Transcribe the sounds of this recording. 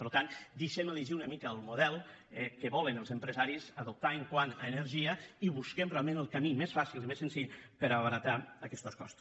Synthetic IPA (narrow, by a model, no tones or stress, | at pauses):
pəɾlt̪and̪eʃeməliʒiunəmikəːlˠmuðɛlˠ | ɛkəβɔlənəlˠzəmpɾəzaɾizəðup̚t̪aeŋkwanəːnəɾʒiəiβuskɛmrealˠmẽnəlˠkamimesfasilˠimesensiʎpəɾaβəɾat̪aəkɛst̪oskɔ̰st̪u̥